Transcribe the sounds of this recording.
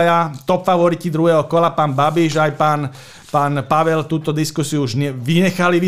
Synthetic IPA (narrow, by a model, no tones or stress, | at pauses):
jat̪ɔpfaʋɔɾit̪id̪ɾuɦɛːɦɔkɔlapaːnbabiʒajpaːn | paːnpaʋɛlt̪uːt̪ɔd̪iskusiuuʒɲɛʋiɲɛxaliʋi